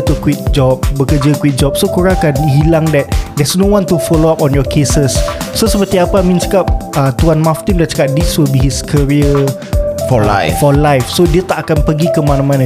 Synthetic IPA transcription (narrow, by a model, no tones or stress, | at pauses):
t̪ukwik̚d͡ʒɔp̚bəkəd͡ʒakwik̚d͡ʒɔp̚sokuɹãkanhilaŋdɛt̚dɛsnõwãnt̪ufɔloapɔ̃njɔkʰesəsːosəpət̪iapamĩnt͡ʃə̥kap̚ət̪uanmãft̪imdat͡ʃə̥kap̚diswilbihiskʰəɹiə | fɔa̰fɔlajfsodiət̪aʔakanpəɡikəmãnãmãnã